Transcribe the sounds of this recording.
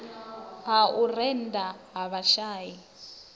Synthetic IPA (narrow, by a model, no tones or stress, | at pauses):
ɦaurɛndʼaɦaβaʃaːji